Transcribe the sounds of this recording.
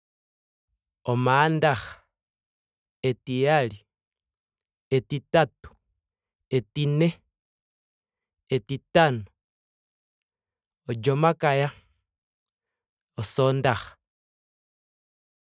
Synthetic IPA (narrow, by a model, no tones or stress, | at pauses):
omaːndaxḁ | etijali | etitatu̥ | etine | etitano | od͡ʒomakaja | osondaxḁ